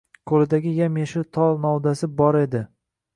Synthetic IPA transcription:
kʰolɪd̪aɡʲɪjamjaʃɪt̪ʰɒlˠnɒwd̪asɪbɒɾe̞d̪ɪ

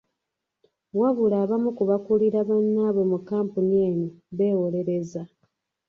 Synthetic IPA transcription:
waβulaːβamukuβakuliɾaβonːaːβo̞mukaːmpunieːniβe̞ːwole̞ɾe̞za

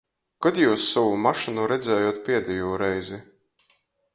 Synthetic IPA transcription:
kɔd̪juːsːɔvumaʃinuɾɛd̪zɛːjuːt̪̚pʲiɛd̪ɛjuːɾɛjzi

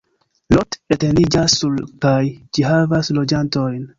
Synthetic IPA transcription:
lotete̞nid͡ʒasːulkajd͡ʒiɦavaslo̞d͡ʒanto̞jn

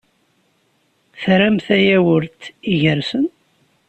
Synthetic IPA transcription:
θɾæmθæjæwəɾt̪iʝəɾsən

